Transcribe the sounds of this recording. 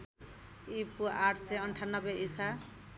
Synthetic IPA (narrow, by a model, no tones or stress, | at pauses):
ipuaʈʰseʌɳʈʰanːʌbeʔisa